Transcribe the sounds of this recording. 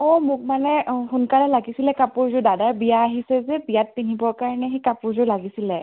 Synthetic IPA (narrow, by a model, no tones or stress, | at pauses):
ɔmʊk̚manɛxunkaɹɛlaɡisilɛkapʊɹzʊdadaɹbijaːɦisɛzɛbijat̚pinibɔɹkaɹanɛɦekapʊɹzʊɹlaɡisilɛ